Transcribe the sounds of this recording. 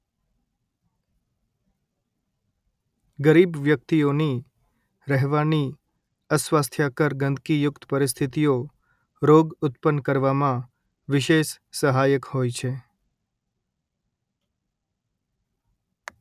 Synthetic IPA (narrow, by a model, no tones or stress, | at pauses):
ɡəɾibʋjək̚t̪ioni | ɾəɦʋani | əsʋast̪ʰjakəɾɡə̃nd̪kijʊkt̪ə̥pəɾɪs̬t̪ʰit̪ijo | ɾoɡʊt̪pənkəɾʋamã | ʋɪʃeʃ | səɦajəkhojt͡ʃʰe